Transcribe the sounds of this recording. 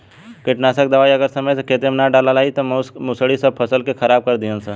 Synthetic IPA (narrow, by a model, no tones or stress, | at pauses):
kɪʈnasəkd̪əʋaːiəɡəɾsəməjseket̪emnaɖalalaːit̪omʊsəɽisəb̚pʰɐsəlkekʰɐɾaːb̚kəɾd̪iə̃nsə